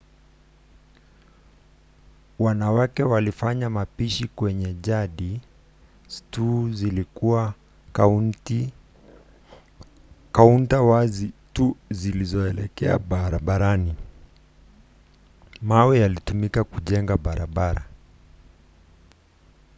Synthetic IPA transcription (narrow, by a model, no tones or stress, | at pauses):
wanawakɛwalifaɲamapiʃikwɛɲɛʄaɗi | tuzilikuwa | kauntawazituzilizɔɛlɛkɛa̰ɓɾaɓaɾani | mawijalitumikakuʄɛŋɡaɓaɾaɓaɾa̰